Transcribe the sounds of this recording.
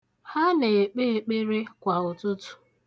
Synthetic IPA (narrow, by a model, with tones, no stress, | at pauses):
ha˦ne˨e˨k͡pe˦e˨k͡pe˦ɾe˦kʷa˨ʊ˨tʊ˦tʊ̥˨